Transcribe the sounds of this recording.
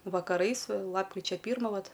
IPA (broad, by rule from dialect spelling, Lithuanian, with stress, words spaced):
ʋɐkɐˈrɐɪs ˈlˠɑːpkrʲɪt͡ʃʲɛ ˈpʲiːrmɐ ˈʋɐt